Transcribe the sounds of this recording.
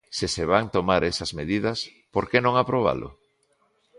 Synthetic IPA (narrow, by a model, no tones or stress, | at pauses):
seseβaŋt̪omaɾesɐzmeðið̞ɐs | poɾkenõŋapɾoβ̞a̰lʔʊ̰